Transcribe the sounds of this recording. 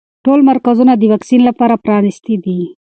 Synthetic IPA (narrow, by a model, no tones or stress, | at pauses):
ʈolmaɾkazunad̪əwɑksinlapɑɾapɾɑnɪst̪id̪i